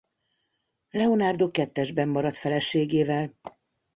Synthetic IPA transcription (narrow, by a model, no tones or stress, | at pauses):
lɛonaːrd̪oːkɛt̪ːɛʒbɛmːɒɾɒt̪fɛlɛʃeːɡeːvɛl